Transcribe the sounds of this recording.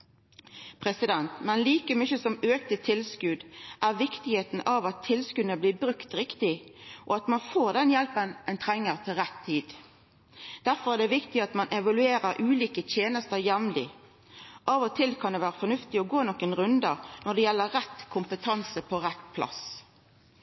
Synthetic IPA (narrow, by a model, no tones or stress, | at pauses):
pʰʁɛsɪd̪ɛnt̪mɛnliːkəmʏçəsɔmøːkt̪ət̪ʰɪlskʉd̪ʔæʁʋɪkt̪ɪheːt̪n̩ʔɑʋɑt̪ʰːɪlskʉdnəbliːbɾʉkt̪ɾɪkt̪ɪʔɔɑt̪mɑnfoːʁd̪ɛnjɛlpənɛnt̪ʰʁɛŋːəʁt̪ʰɪlʁɛt̪ʰːiːd̪ | d̪̥æɾfɔʁæːd̪ɛʋɪkt̪ɪɑt̪mɑnʔɛʋɑlʉeːɾəɾʔʉːliːkət̪ʰjeːnəst̪əɾjɛmlɪ̰ | ʔɑʋɔt̪ʰɪlkʰɑnd̪ɛʋæːʁəfɔnʉft̪ɪɔɡoːnɔkːənʁʉnd̪ənɔd̪ɛjɛlːəʁɛt̪kʰʊmpət̪ʰɑnsəpʰɔɾɛt̪pʰlɑ̰s